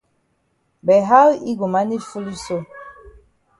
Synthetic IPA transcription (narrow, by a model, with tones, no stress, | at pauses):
bɛ˨ɦa˦wi˦ɡo˨ma˨˦ni˦fu˦li˦so˦